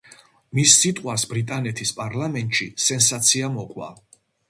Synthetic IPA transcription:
misːit̪ʼqʼwasbɾit̪ʼanɛt̪ʰispʼaɾlamɛnt̪ʼʃisɛnsat̪sʰiamɔqʼwa̰

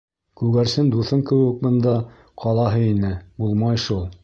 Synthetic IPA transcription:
kʉɡæɾsɘnd̪uθɤŋkɘ̆wɘ̆k̚bɤ̆nd̪ɑ | qʰɑlˠɑɦɤinɘbulˠmɑjʃulˠ

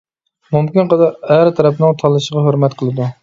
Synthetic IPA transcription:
mumkʲɪnqəd̪ɑɾæɾt̪ʰæɾɛpnɪŋt̪ʰɑlˠɨʃəʁɑɦhɵɾmɛt̪qʰəlˠɨd̪u

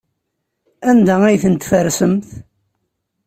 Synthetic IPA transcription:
ænd̪ææjθənt̪fəɾsəmθ

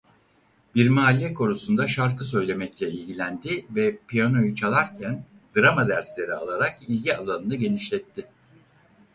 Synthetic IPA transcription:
biɾmaːlʲːɛkʰo̞ɾusund̪aʃaɾkɯsø̞jlʲe̞mɛclʲɛilʲɟilʲænd̪ɪvɛpʰijano̞jut͡ʃʰalˠaɾcʰæn | d̪ɯɾamad̪æɾslʲe̞ɾialˠaɾakilʲɟialˠanɯnɯɟe̞niʃlʲɛt̪ʰːɪ

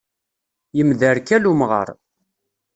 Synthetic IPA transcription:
jəmðəɾkælumʁə̰ɾˤ

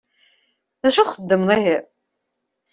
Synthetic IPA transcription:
ðæʃuχəd̪ːəmðˤiɦi

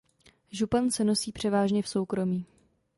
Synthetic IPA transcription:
ʒupansɛno̞siːpr̥ɛvaːʒɲɛfso̞wkɾo̞miː

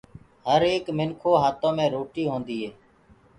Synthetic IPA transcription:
ɦəɾeːkmɪnkʰoːɦaːt̪õːmẽːɾoːʈiːɦoːnd̪iːɦeː

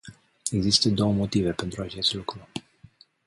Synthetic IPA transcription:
e̞ɡzist̪əd̪o̞wəmo̞t̪ive̞pe̞nt̪ɾuat͡ʃe̞st̪lukɾu

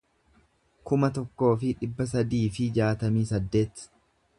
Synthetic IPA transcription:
kʊmɐt̪ɔkːo̞ːfɪᶑɪbːɐs̬ɐd̪iːfɪd͡ʒaːt̪ɐmiːsɐd̪ːe̞ːt̪

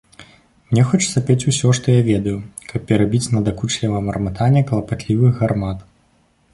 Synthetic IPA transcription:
mnʲɛxɔt͡ʂsapʲet͡sʲusʲɔʂt̪ɔjavʲɛd̪ɐjukʰɐpːʲɛɾabʲit͡sʲnɐd̪akut͡ʂlʲɛvɐmɐrmɨt̪ʰanʲːɛklˠɐpat̪lʲivɨɣɣarmat̪

